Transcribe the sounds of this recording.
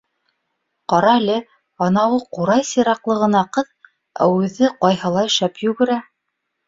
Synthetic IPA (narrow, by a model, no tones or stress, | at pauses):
qɑɾɑlɘ | ɑnɑwɤquɾɑjsiɾɑqlˠɤ̆ʁɤ̆nɑqɤð | æ̰wʉɘ̆ðɘqɑjhɤlˠɑjɘ̆ʃæpjɵ̆ɡɘ̆ɾæ